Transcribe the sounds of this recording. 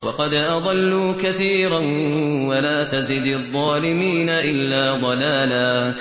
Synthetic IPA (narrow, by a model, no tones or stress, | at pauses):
wɑ̰qɑd̪ʔɑd̪ˤɑlːuːkaθiːɾanwalaːt̪azɪd̪ðˤːɑːlɪmiːnaʔɪlːaːd̪ˤɑlaːlaː